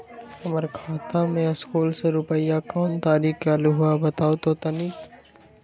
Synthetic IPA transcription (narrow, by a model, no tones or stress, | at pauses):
ɐməɾkʰaːt̪ãmẽskuːlseɾʊpəjakɔːnt̪aːɾiːkalʊɦʊabɐt̪aːot̪ot̪ɐnik